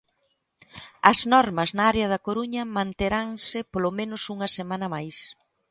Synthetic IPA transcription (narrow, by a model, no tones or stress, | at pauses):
ɐznɔɾmɐznaaɾeɐð̞ɐkoɾuɲɐmãnt̪eɾaŋsɪpolomẽnʊsuŋɐsemanɐmajs